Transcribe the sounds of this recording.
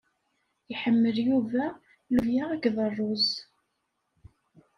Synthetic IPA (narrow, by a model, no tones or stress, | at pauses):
iħəmːəljuvæ | luvjaʁækðˤərˤːoz